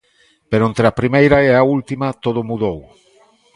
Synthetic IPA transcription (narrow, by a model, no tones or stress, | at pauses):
peɾoent̪ɾeapɾimejɾaeault̪imat̪oð̞ʊmuðow